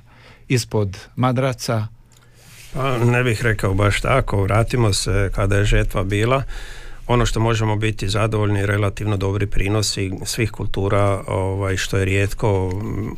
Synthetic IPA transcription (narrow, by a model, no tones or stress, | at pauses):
ispod̪mad̪ɾat̪sa | panebixɾe̞kaobaʃt̪a̰ko̞ʋɾaːt̪imo̞sekad̪aje̞ʒərt̪ʋabiːlˠao̞no̞ʃt̪o̞mo̞ʒemo̞bit̪izad̪oʋo̞ʎniːɾe̞lat̪iʋno̞d̪o̞bɾipɾiːno̞sisʋiːxkulˠt̪uːɾaoʋajʃt̪o̞jeɾjeːt̪ko̞